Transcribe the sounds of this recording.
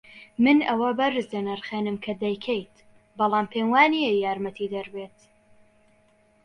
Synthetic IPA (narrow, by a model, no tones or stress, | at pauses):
mɨnɐwɐbɐɾɨzd̪ɐnɐɾχeːnɨmkʰɐd̪ɐjkʰejt̪ | bɑlˠɑːmpʰeːnwaːnijɛjaːɾmɐt̪ʰid̪ɐɾbeːt̪